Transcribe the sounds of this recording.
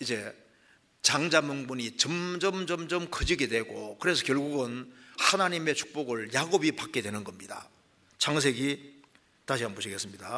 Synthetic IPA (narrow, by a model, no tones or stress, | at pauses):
id͡ʑe̞ | t͡ɕaŋd͡ʑamoŋbuɲit͡ɕʌmd͡ʑʌmd͡ʑʌmd͡ʑʌmkʰɯd͡ʑiɡe̞dwe̞ɡokɯɾe̞s̬ʰʌkjʌɭɡuɡɯnhanaɲime̞t͡ɕʰu̥k̚p͈oɡɯɭjaɡobipak͈e̞dwe̞nɯnɡʌmɲida̰ | t͡ɕaŋs̬ʰe̞ɡi | taɕʰiɦanboɕʰiɡe̞s͈ɯmɲida